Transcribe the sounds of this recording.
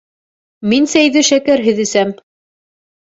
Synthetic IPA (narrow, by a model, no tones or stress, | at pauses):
minsæjðɘʃækæɾɦɘ̆ðɘ̆sæm